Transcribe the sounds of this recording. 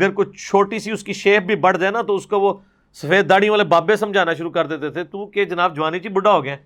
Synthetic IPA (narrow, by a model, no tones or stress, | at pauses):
ɡəɾkʊt͡ʃt͡ʃʰoːʈiːsiːʊskiːʃeːp̚bʱiːbəɽ̤d͡ʒaːenaːt̪oːʊskoʋoː | səfʰeːd̪̚d̪aːɽĩʋaːleːbaːbesəmd͡ʒʱaːnaːʃʊɾuːkəɾd̪eːt̪et̪ʰeːt̪uːked͡ʒənaːb̚d͡ʒʊʋaːnit͡ʃiːbʊɖaːɦoːɡɪɛ̃ː